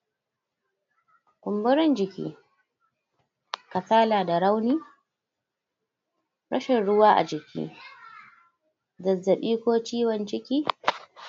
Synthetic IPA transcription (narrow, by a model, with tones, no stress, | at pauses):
kʷʊ˨mbʊ˦ɾɪ˦nd͡ʒɪ˨kʲḭː˦ | kɐ˨saː˦laː˨da˨ɽa˦wniː˦ | ɽʔɐ̰˦ʃɪ˨nɽʊ˦waː˦ʔa̰˨d͡ʒɪ˨kʲḭː˦ | zɐ˨zːɐ˨ɓiː˦kʷoː˦t͡ʃiː˦wɔ˨nt͡ʃɪ˦kʲiː˦